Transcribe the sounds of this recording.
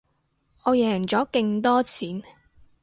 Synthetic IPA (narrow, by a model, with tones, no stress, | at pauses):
ʔɔː˨˧jɛː˨˩ŋt͡sɔː˨˥ke˧ŋt̪ɔː˥t͡sʰiː˨˥n